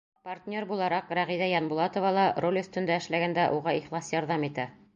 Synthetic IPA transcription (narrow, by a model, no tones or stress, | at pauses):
pɐrt̪ʲnʲo̞ɾbulˠɑɾɑqɾæʁiðæjɑnbulˠɑt̪ovɑlˠɑro̞lʲɵ̆st̪ɵ̆nd̪æɘ̆ʃlæɡænd̪æʔuʁɑiχlˠɑsjɒɾðɑmit̪æ